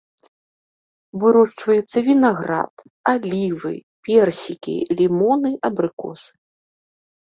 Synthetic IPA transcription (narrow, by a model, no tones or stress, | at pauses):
vɨɾɔʂt͡ʂvɐjɛt̪sːɐvʲinaɣɾa̰t̪ | alʲivɨ̰pʲɛrsʲikʲḭlʲimɔnɨʔɐbɾɨkɔ̰sɨ̥